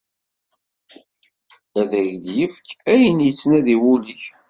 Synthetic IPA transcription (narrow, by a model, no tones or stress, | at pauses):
æðæʝljəfkːæjənjət͡sːnæðiwuliç